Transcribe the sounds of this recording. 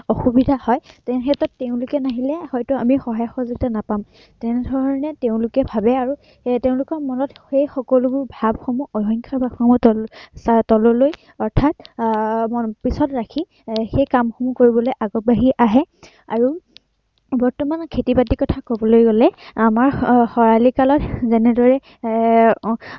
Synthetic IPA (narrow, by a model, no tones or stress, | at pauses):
ɔxubidʱahɔjtɛnxɛtɔtːeʊ̃lʊkɛnaɦilɛhɔjtʊamixɔɦajɔxɔzuɡitanapam | tɛnɛdʱɔɹɔnɛteʊ̃lʊkɛbʱabɛaɹu | teʊ̃lʊkɔɹmɔnɔtxejxɔkɔlubʊɹbʱab̚xɔmuʔɔɦɔŋkʰaɹbʱabxɔmɔsatɔlɔloj | ɔɹtʰat̚ | ɔpisɔtɹakʰi | xejkamxomukoɹibɔlojʔaɡɔt̚baɦiʔaɦɛ | aɹu | bɔɹtɔmankʰetibadikɔtʰakobɔlojɡɔlɛamaɹxɔɹalikalɔtzɛnɛdɔɹɛ